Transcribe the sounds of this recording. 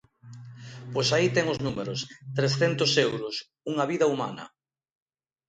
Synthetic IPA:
pojsait̪ɛŋʊznumeɾʊst̪ɾesθent̪ʊsewɾʊs | uŋɐβiðɐuma̰nɐ̰

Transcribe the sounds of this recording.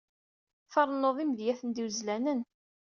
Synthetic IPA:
fɑɾˤnoðˤimðjæθənd̪iwzlænən

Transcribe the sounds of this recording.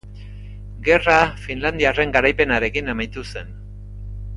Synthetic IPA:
ɡe̞rafinland̪iare̞ŋɡaɾajpe̞naɾe̞kinemajt̪use̞n

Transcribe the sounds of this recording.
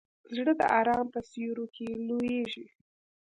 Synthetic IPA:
zɽəd̪ə̰ʔɑɾɑmpəsjuɾokʰelojeʒi

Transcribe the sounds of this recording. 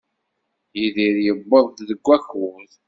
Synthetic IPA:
jiðiɾjəbːəðˤðəɡʷːæçuθ

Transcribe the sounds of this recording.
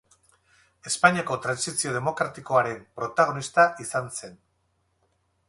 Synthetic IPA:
e̞spaɲiako̞t̪ɾansisio̞ð̞e̞mo̞kɾat̪iko̞aɾe̞mpɾo̞t̪aɣ̞o̞nist̪aʔisanse̞n

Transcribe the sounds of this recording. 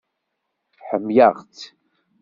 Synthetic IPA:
ħəmjaʁt͡s

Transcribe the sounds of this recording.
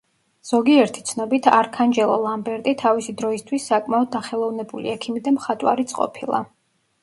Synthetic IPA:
z̥ɔɡiɛɾt̪ʰi̥t̪sʰnɔbit̪ʰaɾkʰand͡ʒɛlˠɔ̰lˠambɛɾt̪ʼit̪ʰavisid̪ɾɔist̪ʰwisːakʼmaɔd̪̚ːaχɛlˠɔvnɛbulḭɛkʰimid̪amχat̪ʼwa̰ɾit̪sʼqʼɔ̰pʰilˠa̰

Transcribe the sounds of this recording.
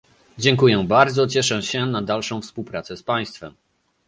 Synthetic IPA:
d͡ʑɛŋkujɛbaɾd̪zɔt͡ɕɛʂɛɕɛnad̪alʂɔ̃w̃fspuwpɾat̪sɛspaj̃st̪fɛm

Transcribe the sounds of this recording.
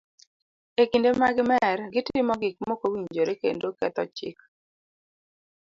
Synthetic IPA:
ekindemaɡɪmɛrɡɪtɪmɔɡɪk̚mokowiɲd͡ʒoɾekḛndokɛt̪ɔt͡ʃɪ̰k̚

